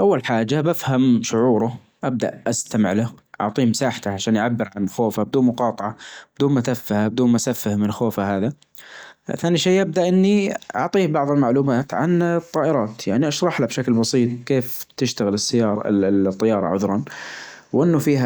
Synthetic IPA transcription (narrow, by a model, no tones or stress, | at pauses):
ʔawːalħaːd͡ʒːabafhamʃʊʕuːɾʊ | ʔab̚d̪a̰ʔʔast̪amɪ̰ʕla | ʔɑ̰ʕt̪ˤiːmsaːħt̪aʕaʃaːnʔʕabːɪɾʕanxoːfabɪd̪uːnmʊqɑːt̪ˤɑʕɑb̥ɪd̪uːnmat̪afːahabɪd̪uːnmaʔsafːɪhmɪnxoːfahaːða | θaːniʃeːʔab̚d̪aʔɪnːiʔɑ̰ʕt̪ˤiːbɑʕðˤɪlmaʕluːmaːt̪ʕa̰nt̪ˤːɑːʔɪɾˤɑːt̪jaʕniʔɑʃɾˤɑħlabʃaklbɑsˤiːt̪ˤkeːft̪ɪʃt̪aɣɪlɪsːajːɑːt̪ˤːɑjɑːɾˤɑ̰ʕʊ̰ðɾˤɑn | wʔɪnːʊfiːɦa